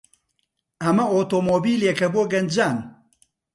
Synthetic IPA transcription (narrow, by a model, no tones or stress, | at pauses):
ɐmɐoːt̪oːmoːbiːleːkɐboːɡɐnd͡ʒaːn